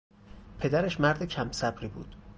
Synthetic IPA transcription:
pʰe̞d̪æɾeʃmæɾd̪ecʰæmsæbɾiːbṵːd̪̥

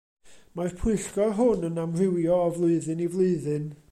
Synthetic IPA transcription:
marpʰʊɨɬɡ̥ɔɦʊnənamrɪwjɔːvlˠʊɨðɨnivlˠʊɨðɨn

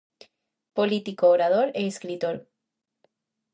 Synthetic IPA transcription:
polit̪ikoːɾað̞o̞ɾeːskɾit̪oɾ

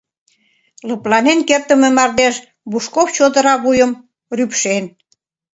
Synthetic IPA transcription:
lɤ̆plɑnenkert̪ə̆mĕmɑrd̪eʃ | buʃkoft͡ɕod̪ə̆ɾɑβujəm | rypʃen

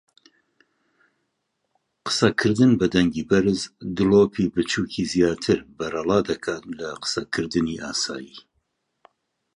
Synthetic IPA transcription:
qə̥sɐkʰɨɾd̪ɨnbɐd̪ɛŋɡiːbɐɾɨzd̪ɨloːpʰiːbɨt͡ʃʰuːkʰiːzjaːt̪ʰɨɾbɐɾɑlˠɑːd̪ɐkʰaːt̪lɐqə̥sɐkʰɨɾd̪ɨniːʔaːsa̰ːjiː

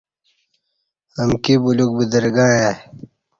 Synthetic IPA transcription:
ɐmkibuluk̚bid̪əɾɡaːja

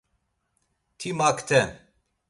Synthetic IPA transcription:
t̪ʰimakʰt̪ʰɛ

